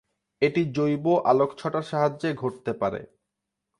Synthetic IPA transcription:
eʈid͡ʑojboʔalokt͡ɕʰɔʈaɾʃaɦad͡ʑeɡʱoʈ̚t̪epaɾḛ

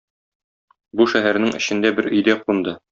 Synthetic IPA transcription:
buʃæɦæɾnɘŋɘ̆ɕɘ̆nd̪æbɘɾɵ̆jd̪æqund̪ɤ

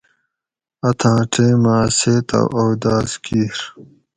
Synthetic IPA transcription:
ɐt̪ʰãːʈʰẽːmãːseːt̪ɐ̰wʔowd̪aːzkiːɾ

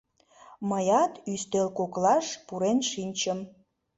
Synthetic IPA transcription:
məjɑt̪yst̪elkoklɑʃpuɾenʃinʲt͡ɕəm

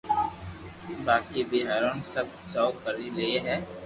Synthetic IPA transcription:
baːkibʱiɦɐɾoːnsəb̚saːʊkəɾilɪeɦɛː

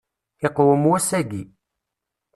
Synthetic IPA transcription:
ɪqwəmwæsæɡi

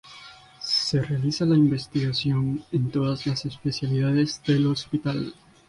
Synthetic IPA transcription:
se̞realisalaimbe̞st̪iɣasjo̞ne̞nt̪o̞ðazlase̞spe̞sjaliðaðe̞zðe̞lo̞spit̪al

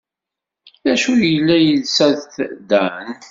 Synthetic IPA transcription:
ðæʃujəlːæjəlsæðθd̪æn

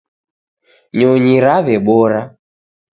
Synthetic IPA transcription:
ɲɔɲiɾaβɛɓɔɾa

